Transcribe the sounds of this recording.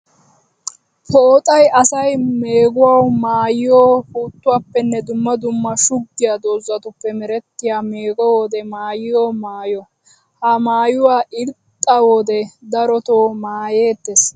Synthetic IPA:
pʰoːt̪ʼɐjɐsɐjmeːɡʊwawmaːjɪjoːhuːt̪ːʊwaːpːɛnːɛd̪ʊmːɐd̪ʊmːɐʃʊɡːɪjaːd̪oːzːɐt̪ʊpːɛmɛɾɛt̪ːɪjaːme̞ːɡɔwoːd̪ɛmaːjɪjoːmaːjɔ | hɐmaːjʊwaːʔɪɾt̪ʼːɐwoːd̪ɛd̪ɐɾɔt̪oːmaːje̞ːt̪ːes

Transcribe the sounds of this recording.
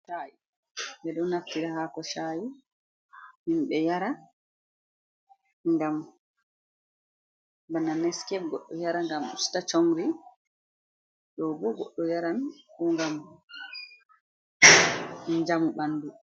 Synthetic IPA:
ʃaji | bɛɗɔnːaftiɾahaːkɔʃaji | minɓɛjaɾa | ŋɡam | bananɛskɛfɡɔɗːɔjaɾaŋɡamṵstat͡ʃoŋɾi | ɗɔbɔɡɔɗːɔjaɾankuŋɡam | d͡ʒamuɓanːdu

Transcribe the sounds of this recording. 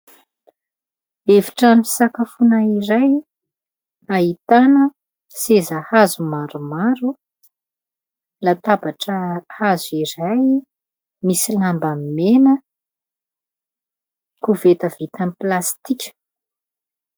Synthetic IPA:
eviʈ͡ʂami̥sakafunaiɾaj | aɦit̪anə | sezəhazumaɾumaɾu | lat̪abaʈ͡ʂəhaziɾaj | misilambamimenə | kuvet̪əv̥it̪amplast̪ikʲə̥

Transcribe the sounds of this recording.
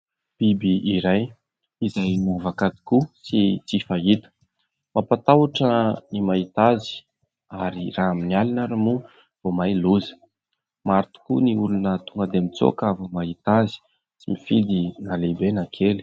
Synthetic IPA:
b̥ibiiɾaj | izajnavakad̪i̥kusit͡sifait̪ə̥ | mapat̪awaʈ͡ʂənimait̪azi̥ | aɾiraaminialinaɾamu | v̥omajluzə̥ | maɾt̪u̥kuniulunət̪uŋɡəd̪emit͡so̰kavomaɦit̪azi̥ | simifid̪inalebenakʰeli̥

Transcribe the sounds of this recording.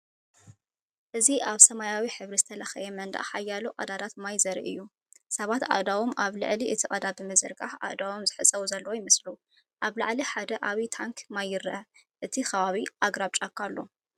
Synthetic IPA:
ʔɨziʔaβsɐmajawiħɨβɾizɨt̪ʰɐlɐxɐjɛmɐnd̪a̰ʔħajːaluqʼɐ̰d̪ad̪ʰat̪majzɐɾḭʔɨ̰jːu | sɐβat̪ʔa̰d̪awomʔaβlɨ̰ʕliʔɨt̪ʰikʼɐd̪abɨmɨzɨɾɡaħʔa̰ʔd̪awomzɨħɨt͡sʼɐwuzɐlːɐwojɪmɨslu | ʔaβla̰ʕliħad̪ɐʔaβit̪ʰaŋkʰmajːɨɾʔɐ | ʔɨt̪ʰixɐβaβiʔaɡɾaβt͡ʃʼakʰːalːo̞

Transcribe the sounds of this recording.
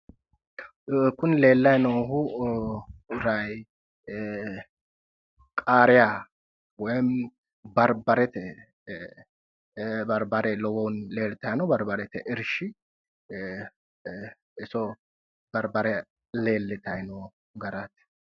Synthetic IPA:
kʊnle̞ːlːɐjnoːhʊ | ɾɐj | kʼaːɾɪja | wɔjn | bɐɾbɐɾɛt̪ɛ | bɐɾbɐɾɛlɔwɔwnleːlt̪ɐjnɔbɐɾbɐɾɛt̪ɛʔɪɾʃɪ | ɪsɔ | b̥ɐɾbɐɾɛ | le̞ːlːɪt̪ɐjnoː | ɡɐɾɐt̪

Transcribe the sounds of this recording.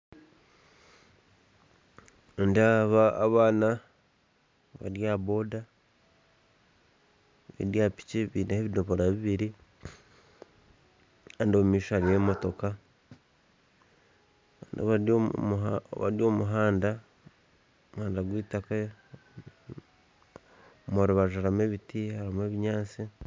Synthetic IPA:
ndaβaːβaːna | βa̰ɾjaβo̞da | βḭɾjaːpi̥ceβinaheβidoβoɾaβiβiɾi | andomumiːʃoaɾijemo̞to̞ka | ando̰βa | βaɾjo̞ːmuɦaːnda | omuhaːndaɡwiːtake | omoɾuβaʒaɾameβitihaɾamweːβiɲaːt͡si

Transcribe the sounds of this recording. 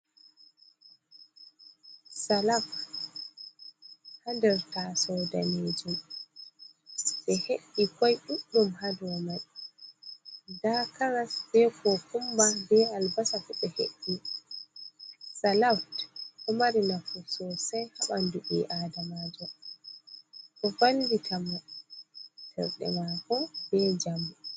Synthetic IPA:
salaf | handɛɾtasɔda̰neːd͡ʒum | ɓɛheɗːikɔjɗuɗːumhadɔman | dakaɾasbɛkʰɔkumbabɛalbasafuɓɛhḛɗːi | salawtɔmaɾinafusɔsajhaɓanduɓḭʔadamad͡ʒɔ | ɗɔfanditʰamɔ | tɛ̰ɾɗɛ̰makɔbɛd͡ʒamu

